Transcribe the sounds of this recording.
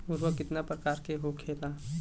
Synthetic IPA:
ʊɾʋəkɪt̪napɾəkaːɾkeɦokʰeːlaː

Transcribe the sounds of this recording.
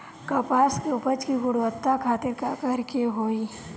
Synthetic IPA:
kɐpaːskeʊpət͡ʃkiɡʊɽwət̪ːakʰaːt̪ɪɾkakɐɾkeɦoːiː

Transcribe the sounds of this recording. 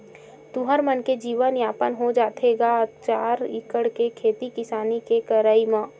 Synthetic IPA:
t̪uɦəɾmənked͡ʒiːʋənjaːpənɦod͡ʒaːt̪ʰeɡat͡ʃaːɾɪkəɽkekʰeːt̪ikɪsaːnikekəɾəimẽː

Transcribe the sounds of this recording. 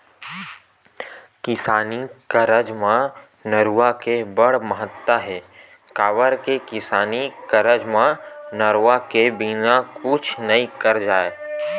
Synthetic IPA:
kɪsaːnikəɾəd͡ʒmã | nəɾuwakebɐɽ̤məɦət̪ːaɦɛː | kaːʋəɾkekɪsaːnikɐɾəd͡ʒmãnəɾuakebinakʊt͡ʃʰnɐikɐɾd͡ʒaːeː

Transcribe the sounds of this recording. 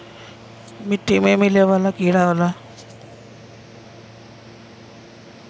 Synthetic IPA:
miʈːimemileʋalakiɽaɦola

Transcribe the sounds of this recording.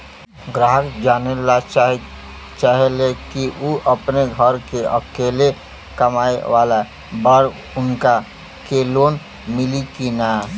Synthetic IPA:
ɡɾaːɦəkd͡ʒaːnelat͡ʃːɦ | t͡ʃaɦelekioʔəpneɡʱəɾkeə̰keːle | kəmaːeʋaːla | bəɾ | ʊnka | keːloːn | mɪlikinaː

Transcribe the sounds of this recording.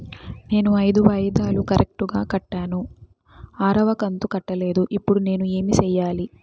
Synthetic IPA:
ne̞ːnuɐjd̪uʋɐjɐd̪aːlukɐɾʔek̚ʈuɡaːkɐʈːaːnu | aːɾɐʋɐkɐnt̪ukɐʈːɐle̞ːd̪uʔipːuɽune̞ːnue̞ːmit͡ʃɛːjːaːli

